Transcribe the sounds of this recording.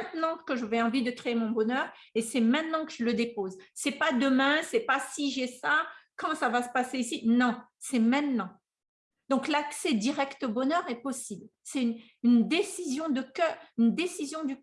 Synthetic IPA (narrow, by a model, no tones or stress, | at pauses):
ɛ̃t̪nɑ̃kəʒavɛɑ̃vid̪əkχeemɔ̃bɔnœʁesɛmɛ̃t̪nɑ̃kəʒələd̪epozsɛpad̪əmɛ̃sɛpasiʒɛsakɑ̃savasə̥paseisinɔ̃ | sɛmɛ̃t̪nɑ̃ | d̪̥ɔ̃klaksɛd̪iʁɛkt̪obɔnœʁɛpɔsiblsɛyn | ynd̪esizjɔ̃d̪əkœynd̪esizjɔ̃d̪y